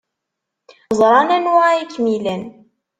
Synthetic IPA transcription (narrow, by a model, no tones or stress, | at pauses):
zˤɾˤɑnænwaʁikːmilæn